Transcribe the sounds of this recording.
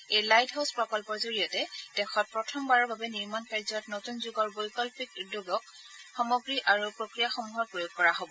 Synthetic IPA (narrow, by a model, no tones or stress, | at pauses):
ejlajdɦawspɹɔkɔlpɔɹzoɹijɔtɛd̥ɛxɔt̚pɹɔtʰɔmbaɹɔɹbʱabɛniɹmankaɹzɔtnotunzuɡɔɹbojkɔlpikdoɡɔk | xɔmoɡɹiʔaɹupɹokɹijaxomuɦɔpɹojoɡ̚kːɔɹaɦobɔ